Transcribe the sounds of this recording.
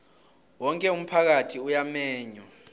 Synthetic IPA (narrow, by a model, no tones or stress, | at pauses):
wɔŋkʼɛum̩pʰak̬atʰiujamɛːɲɔ